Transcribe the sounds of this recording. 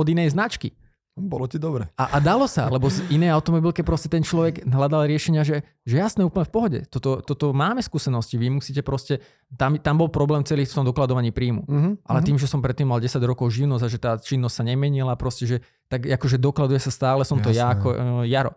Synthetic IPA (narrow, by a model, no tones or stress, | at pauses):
ɔd̪inɛjznat͡ʃkḭ | bɔlɔtid̪ɔbɾɛaʔad̪alɔsa̰lɛbɔsinɛaʊt̪ɔmɔbilkɛpɾɔscɛt̪ɛnt͡ʃlɔʋɛɡɦlad̪alɾɪɛʃɛɲɪaʒɛ | ʒɛjasnɛːuːpəɲɛfpɔɦɔɟɛ̰t̪ɔt̪ɔt̪ɔt̪ɔmaːmɛskuːsɛnɔsciʋimusiːcɛpɾɔscɛ | t̪amt̪ambɔlpɾɔblɛːmt͡sɛliːxft̪ɔmd̪ɔklad̪ɔʋaɲiːpɾiːmṵʔa̰lɛt̪iːmʒɛsɔmpɾɛt̪ːiːmːalɟɛsaɟɾɔkɔʊʒiʊnɔzaʒɛt̪aːt͡ʃinːɔscʲsaɲɛmɛɲilapɾɔscɛʒɛ | t̪aɡakɔʒɛd̪ɔklad̪ujɛsast̪aːlɛsɔmt̪ɔjaːkɔ̰jaɾɔ̰